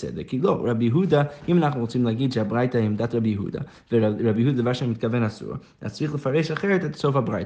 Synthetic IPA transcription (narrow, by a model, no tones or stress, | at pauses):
sɛ̰dəɾkilˠoɾabjəɦudaimanaχnuʁut͡simlˠaɡidʃeabɾaɪtaɛmdatɾabjəɦṵda̰ | vɛɾabjəhudadəvaʃamɪt̚kavɛnasṵːɾ | a̰t͡sɾiχlˠəfaɾɛɪʃaχɛɾɛtɛtsofabɾaɪt